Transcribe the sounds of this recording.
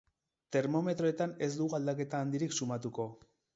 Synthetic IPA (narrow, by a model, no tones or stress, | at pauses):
t̪e̞ɾmo̞me̞t̪ɾo̞e̞t̪ane̞zd̪uɣuald̪ake̞t̪aːnd̪iɾiksumat̪uko̞